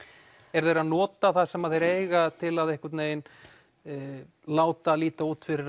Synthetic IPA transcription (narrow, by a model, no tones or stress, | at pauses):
ɛɾðejɾaðnɔːt̪aθaðsɛmaðeɾeːjɣat̪ʰɪlaðehkʏɾt̪neːjɪn | laːwt̪aliːt̪auːt̪fɪɾɪɾ